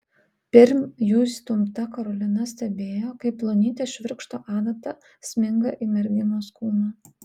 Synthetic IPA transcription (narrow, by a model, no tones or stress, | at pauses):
pʲɛɾʲmʲjuːsʲt̪ʊmt̪ɐkɐɾɔlʲɪnɐsʲt̪ʲɛbʲeːjoːkɐɪpːlˠonʲiːt̪ʲeːʃʲʋʲɪɾkʃt̪oːʔɑːd̪ɐt̪ɐ | sʲmʲɪŋɡɐʔimʲɛɾʲɡʲɪnoːskuːnɐ